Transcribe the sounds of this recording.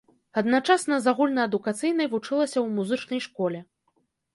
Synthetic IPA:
ɐd̪nat͡ʂasnɐzaɣulʲnɐɐd̪ukat̪sɨjn̪ɐjvut͡ʂɨlˠɐsʲɐwmuzɨt͡ʂnɐjʂkɔlʲɛ

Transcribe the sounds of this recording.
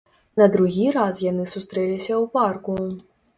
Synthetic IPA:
nɐd̪ɾuɣʲiɾasjanɨsust̪ɾɛlʲisʲɐwparku

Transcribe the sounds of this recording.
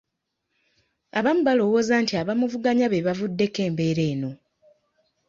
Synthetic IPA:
aβamuβalo̞wo̞ːzantiaβamuvuɡaɲaβeβavudːe̞ke̞ːmbe̞ːɾe̞ːno̞

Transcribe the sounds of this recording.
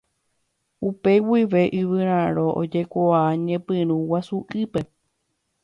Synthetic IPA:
upe̞wiʋe̞ʔɨʋɨɾ̃ãɾõʔo̰d͡ʒe̞kʷoaaɲẽpɨ̃ɾ̃ũwasuʔɨpe̞

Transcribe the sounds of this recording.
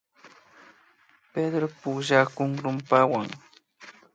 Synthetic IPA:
ped̪ɾopʊʒakʊŋɾʊmpawaŋ

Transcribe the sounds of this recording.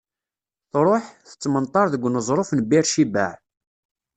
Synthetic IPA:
θɾˤoħθə̥t͡sːmənt̪ˤːɑɾˤðəɡʷːnəzˤɾˤofnbiɾʃibæ̰ʕ

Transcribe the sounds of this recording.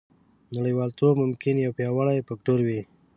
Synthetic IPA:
naɽəjwɑlt̪obmʊmkɪnjawpjɑwaɽajpakʈoɾwi

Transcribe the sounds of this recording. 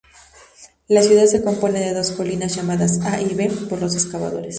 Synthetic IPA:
lasjuðad̪seko̞mpo̞ne̞ðe̞ðo̞sko̞linasʝamaðasaʔiβepo̞ɾlo̞s̬e̞skaβa̰ðo̞̰ɾes

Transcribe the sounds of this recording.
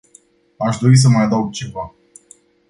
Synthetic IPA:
aʃd̪o̞ɾis̬əmajad̪əwɡ̚t͡ʃe̞va

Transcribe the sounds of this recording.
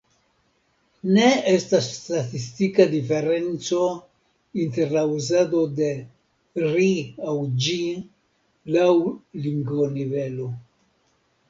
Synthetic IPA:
ne̞estastatistikad̪ife̞ɾe̞nt͡so̞ | inte̞ɾlauzad̪o̞de̞ | ɾiawd͡ʒi | lawliŋɡvonive̞lo̞

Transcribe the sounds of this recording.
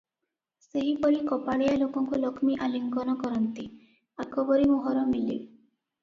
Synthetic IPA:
seɦipɔɾikɔpaɽijalokɔŋkulɔkʰmiʔaliŋkɔnɔkɔɾɔnt̪i | akʰɔbɔɾimuɦɔɾɔmilḭ

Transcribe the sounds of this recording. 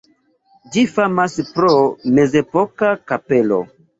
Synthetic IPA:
d͡ʒifamaspɾome̞ze̞pokakape̞lo̰

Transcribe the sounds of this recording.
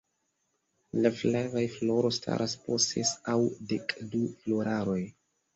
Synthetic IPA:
laflavajflo̞ɾo̞stʰa̰ɾʔaspossesawdekdufloɾʔaɾo̞j

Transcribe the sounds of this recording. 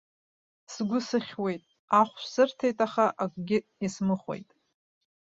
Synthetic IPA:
sɡʷʊsɨχʲwe̞jtʼ | aχʷʃsɨrtʰejtʼaχaʔakʷʼɡʲɪismɨχʷḛjtʼ

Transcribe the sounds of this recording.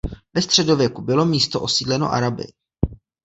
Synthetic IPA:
vɛst̪r̝̥ɛdo̞vjɛkubɪlo̞miːst̪oʔo̞siːdlɛno̞̰ʔa̰ɾabɪ̰

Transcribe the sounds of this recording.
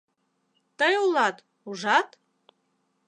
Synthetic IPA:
t̪ɤjulˠɑt̪ | uʒɑt̪

